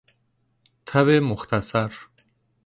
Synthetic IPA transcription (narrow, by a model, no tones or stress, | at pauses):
t̪ʰaβemoxt̪ʰasaɾ